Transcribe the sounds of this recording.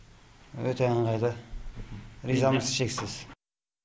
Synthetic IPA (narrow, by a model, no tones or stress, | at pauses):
wøt̪ʰeɑnlˠɑjd̪ə | ɾizɑməzʃeksɪz̥